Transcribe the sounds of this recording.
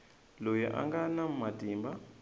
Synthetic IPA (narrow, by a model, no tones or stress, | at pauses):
lojḭʔa̰ŋɡanam̩matiːmba